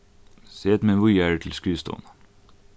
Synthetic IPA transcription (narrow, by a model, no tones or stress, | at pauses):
seːt̪mɛnʋʊjæːɖʉt̪ʰl̩skʉːst̪ʰo̰ːn